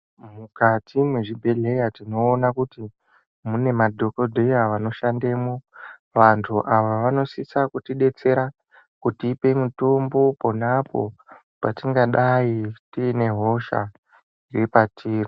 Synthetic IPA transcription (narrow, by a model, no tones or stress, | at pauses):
mukatimweʐibʱe̞ɮe̞jatino̞ːnakuti | mune̞madʱo̞ko̞dʱejaʋano̞ʃande̞mo | ʋantʰuʔaʋaʋano̞sisakutiɗe̞t͡se̞ɾa | kutiːpe̞muto̞mbo̞ponapo̞̰ | patiŋɡaɗajitiːne̞ɦo̞ʃa̰ | iripatʰiːri